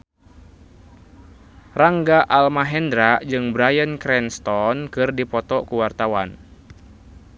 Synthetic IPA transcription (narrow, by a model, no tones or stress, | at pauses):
raŋɡaʔalmaɦɛndɾaʔd͡ʒɨŋbɾajənkɾɛnst̪ɔnkɨrdipɔt̪ɔkuwart̪awan